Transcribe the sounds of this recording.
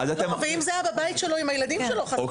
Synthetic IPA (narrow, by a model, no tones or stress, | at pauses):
ad̪at̪emveimzeajababait̪ʃelo̞imajelad̪imʃeloχao